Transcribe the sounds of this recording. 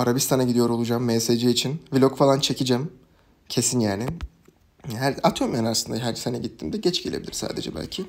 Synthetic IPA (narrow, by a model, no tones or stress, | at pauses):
aɾabist̪ʰanaɟid̪ijo̞ɾo̞lˠud͡ʒaːmːesed͡ʒiːt͡ʃʰinvilʲokfalˠant͡ʃʰe̞cʰid͡ʒæm | cʰe̞sinjaːnɪ | ɦæɾat̪ʰomjanaɾsɯnd̪aɦæɾsenɛɟit̪ʰːimd̪ɛɟɛt͡ʃɡɟelʲebilʲḭɾsa̰ːd̪ed͡ʒɛ̰bæ̰lʲcʰɪ